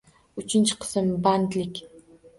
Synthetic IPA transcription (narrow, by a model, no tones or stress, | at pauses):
ʊt͡ʃʰɪnt͡ʃʰɪ̥qʰɨ̥smband̪lɪkʲ